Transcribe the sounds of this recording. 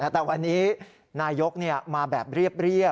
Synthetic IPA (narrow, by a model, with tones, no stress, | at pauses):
ʔa˧˩t̪ɛː˨˩wa˧nːiː˦˥ | naː˧jo˦˥k̚ni˥˩ɐmaː˧bɛː˨˩p̚ɾi˥˩əp̚ɾi˥˩ə